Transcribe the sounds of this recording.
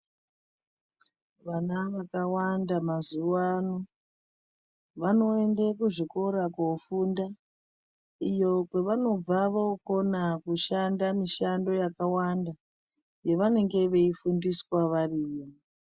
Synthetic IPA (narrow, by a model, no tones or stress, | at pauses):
ʋanaʋakawandamazuwano | ʋano̞e̞ndekuʐiko̞ɾakofunda | ijo̞kwe̞ʋano̞b͡vaʋoko̞nakuʃandamiʃando̞jakawanda | je̞ʋane̞ŋɡe̞ʋe̞ifundiswaʋariːjo